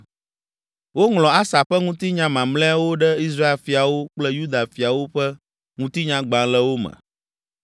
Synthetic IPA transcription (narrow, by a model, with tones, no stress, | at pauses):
wo˦ŋlɔ̃˨a˦sa˨ɸɛ˦ŋũ˦t̪i˦ɲã˦mã˨mlɛ̃˦a˦wo˦ɖɛ˦i˦s̬ɾa˦e˨fi˨a˨wo˦k͡plɛ˦ju˦d̪a˨fi˨a˨wo˦ɸɛ˦ | ŋũ˦t̪i˦ɲã˨˦ɡ͡bã˨lɛ˦wo˦mɛ̰̃˨